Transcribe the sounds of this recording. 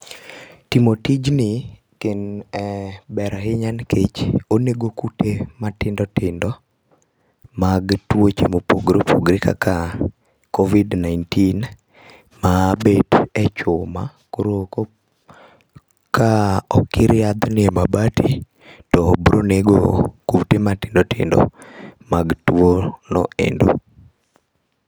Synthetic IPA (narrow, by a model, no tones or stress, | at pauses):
timotid͡ʒnɪ | kenɛbɛɾahɪɲanket͡ʃoneɡokutematɪndɔtɪndɔ | maɡtwot͡ʃemopoɡɾopʰoɡɾika̰ka | kovidnajntin | mabetɛt͡ʃʊma̰ | kuɾoko | kaɔkɪɾɪad̪nɪɛmabati | tɔbɾoneɡo̰kutematɪndɔtɪ̰ndɔ̰maɡtuonɔ̰ḛndo̰